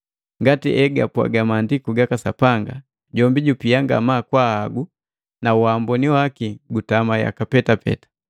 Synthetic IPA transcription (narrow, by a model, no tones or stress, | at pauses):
ŋɡatiʔɛɡapwa̰ɡamaːndikuɡakasapaŋɡa | ɟɔmbiɟupijaŋɡa̰maːkwahaɡu | nauambɔniwakiɡutamaja̰kapɛtapɛ̰tḁ